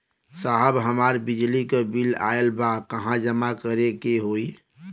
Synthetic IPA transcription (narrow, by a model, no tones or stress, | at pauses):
saɦəbɦəmaːɾbɪd͡ʒlikobila̰ːelbakəɦãd͡ʒəmakəɾekeɦoːi